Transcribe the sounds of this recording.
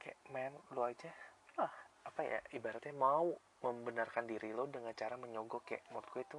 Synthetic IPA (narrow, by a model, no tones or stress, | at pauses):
kamɛnload͡ʒalahapaja̰ibaɾat̪̚ɲamau | məmbənarkandiɾilodəŋant͡ʃaɾaməɲoɡokaaʔmɔɾt̪kueit̪u